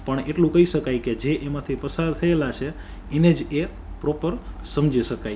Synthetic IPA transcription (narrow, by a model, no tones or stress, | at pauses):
pəɳeʈlũkəiʃəkajked͡ʒeʔemãt̪ʰipəsaɾt̪ʰəelat͡ʃʰe | ened͡ʒe | pɾɔpəɾsəmd͡ʒiʃəkaj